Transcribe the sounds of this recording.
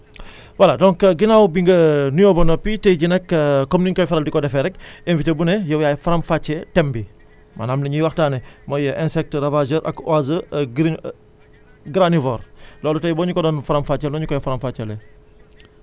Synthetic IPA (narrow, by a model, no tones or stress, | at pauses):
waladɔŋkɡinaːwbiŋɡɐnujobɔnɔpːitɛjɟinɛkːkɔmniɲkɔjfɐɾɐldikɔdɛfɛɾɛkenvitebunɛjɐwjaːjfaɾɐmfat͡ʃːɛtɛmbi | ma̰naːmniɲiwaxtaːnɛmɔjəʔɛnsɛk̚tɾɐvad͡ʒəɾʔɐ̰kazə | ɡɾanivɔːɾlɔːlutɐjbɔːɲukɔdɔːnfaɾɐmfat͡ʃːɛlɔɲukɔjɐfaɾɐmfat͡ʃːɛlɛ